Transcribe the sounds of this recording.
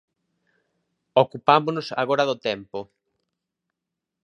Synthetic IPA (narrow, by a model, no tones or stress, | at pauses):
okupamʊnʊsa̰ɣoɾaðʊt̪ɛmpʊ